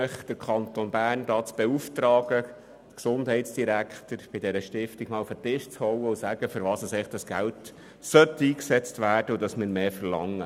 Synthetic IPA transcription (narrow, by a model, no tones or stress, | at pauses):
əχd̥əɾkʰɑnt̪onbæːrndɑːt͡sb̥ɛuft̪rɑːɡ̥ə | dəksʊndɦɛɪtsd̥iɾækχtəɾb̥ɪdɛɾəʃtɪftiɡ̥mɑːlufətɪʃt͡shɔwəusæɡ̥əfʏɾʋɑːsəsɛɪχd̥ɑsɡ̥ælt | sœtːiːksɛt͡stvæːrd̥əʊdɑsmɪːɾmeːfərlɑ̰ŋːə